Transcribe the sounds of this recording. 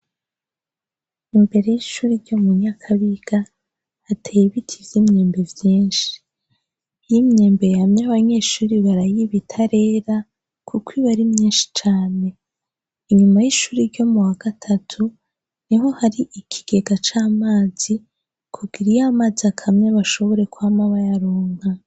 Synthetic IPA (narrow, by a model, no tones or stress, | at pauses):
imbe̞ɾe̞jiʃuːɾiɾɟo̞muɲakʰaβiɡ̥aː | tʰejiβitʰizimɲeːmbe̞vjiːnʃi̥ | jimɲeːmbe̞jamɲaβaɲe̞ːʃuːɾiβaɾajiβitʰaɾe̞ːɾa | kukwiβaɾimɲiːnʃi̥t͡ʃaːne̞ | iɲumajiʃuːɾiɾɟo̞muwaɡ̥atʰatʰu | niɦo̞haɾiʔikʰi̥ɡ̥e̞ɡat͡ʃaːmaːz̥i | kʰuɡiɾijamazakʰamɲeβaʃo̞βo̞ɾe̞kuhamaβajaɾoːŋ̥ha